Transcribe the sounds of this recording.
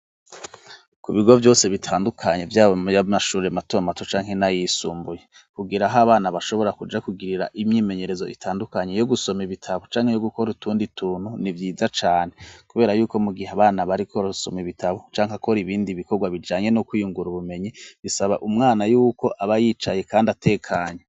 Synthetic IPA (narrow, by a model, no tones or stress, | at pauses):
kuβiɡo̞vjo̞ːse̞βitʰaːndukʰaɲe̞vjaːβojamaʃuːɾematoamatot͡ʃaːŋɦe̞najisuːmbuje̞ | kuɡiɾaɦaβaːnaβaʃo̞βo̞ɾakud͡ʒakuɡiɾiɾa̰ʔimɲiːme̞ɲe̞ɾe̞zo̞ʔitʰaːndukaɲejo̞ɡuso̞miβitʰaβot͡ʃaːŋhe̞joɡukoɾutʰuːnditʰuːn̥hunivjiːzat͡ʃaːne̞kuβe̞ːɾajuːko̞muɡiheaβaːnaβaɾikʰo̞ɾso̞̰miβitʰaβot͡ʃaːŋhakoɾiβiːndiβiko̞ɾɡwaβid͡ʒaːɲe̞nokwijuŋɡuɾuβume̞ɲiβisaβaʔumŋaːnajuːko̞ʔaβajiːt͡ʃaje̞kaːndatʰe̞ːkʰaɲe